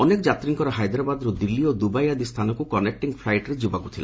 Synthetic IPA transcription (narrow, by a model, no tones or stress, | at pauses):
ɔnekɔd͡ʒat̪ɾiŋkɔɾɔɦajd̪ɾɔbad̪ɾud̪ilːiod̪ubajad̪ist̪ʰanɔkukɔnek̚ʈiŋpʰɾajʈɾed͡ʒubɔkut̪ʰila̰